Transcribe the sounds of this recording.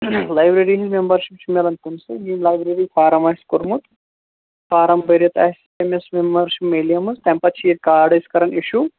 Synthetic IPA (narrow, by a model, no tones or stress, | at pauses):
laːjbɾeɾiɦizmembɐɾʃipt͡ʃʰimɐlɐnt̪unsɨjinlajbɾeɾifaːɾɐmɐɦiskuɾmut̪ | faːɾɐmbɐɾjɐt̪a̰ːɦis | emesmembɐɾʃipmeːlijɐmɨst̪ɐmpɐt͡ʃʰiɾkaːɾɖɐskɐɾɐniʃu